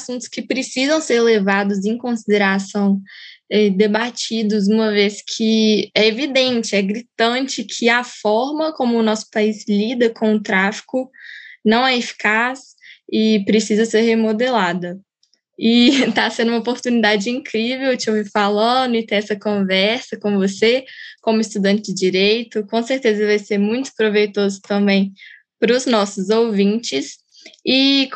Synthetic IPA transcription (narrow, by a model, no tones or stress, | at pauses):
asũnt̪ʊ̥skɪpɾesizɐ̃w̃seɾlevad̪ʊzẽj̃kõsid̪eɾasɐ̃w̃ɛd̪ebat͡ʃid̪ʊz̬ũmɐveskʰɪɛevid̪ẽnt͡ʃɪɛɡɾit̪ɐ̃t͡ʃɪkʰɪafɔɾmɐkõmʊːnɔsʊ̥paizlid̪ɐkõw̃ʊt̪ɾafi̥kʊnɐ̃w̃ɛefi̥kas | ɪpɾesizɐseɾhemod̪elad̪ɐ | ɪt̪asẽnd̪ʊũmopoɾt̪unid̪ad͡ʒɪĩkɾivewt͡ʃɪowvifalɐ̃d̪ʊɪt̪ẽj̃ɛsɐkõvɛɾsɐkõvosekõmʊist̪ud̪ɐ̃nt͡ʃɪd͡ʒɪd͡ʒiɾejt̪ʊkõseɾt̪ezɐvajseɾmũj̃t̪ʊ̥pɾovejt̪ozʊt̪ɐ̃mbẽj̃ | pɾʊznɔsʊzowvĩt͡ʃɪs | ɪ